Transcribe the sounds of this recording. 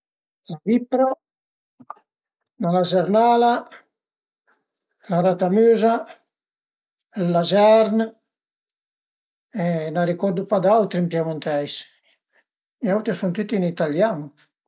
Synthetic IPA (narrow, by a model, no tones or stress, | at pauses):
lavipːɾa | nalazɛɾnaːla | laɾat̪amyːza | lːazaɾn | ɛnaɾikɔrd̪upad̪awt̪ɾimpjamunt̪ɛjs | iawt̪ɾisunt̪ut̪ːinit̪aljanu